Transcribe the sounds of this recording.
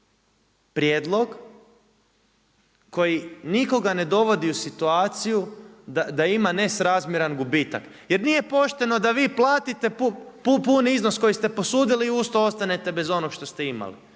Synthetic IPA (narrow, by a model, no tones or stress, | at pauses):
pɾjeːd̪lˠo̞ɡ | ko̞jiniko̞ɡane̞d̪o̞ʋo̞d̪iusit̪uaːt̪sijud̪ad̪aimane̞sɾazmjeɾanɡubit̪ak | je̞ɾnije̞po̞ʃt̪e̞no̞d̪aʋiːplˠaːt̪it̪e̞pupupuniiznosko̞jist̪e̞po̞suːd̪iliːust̪oo̞st̪ane̞t̪e̞be̞zo̞noɡʃt̪o̞st̪e̞ima̰lḭ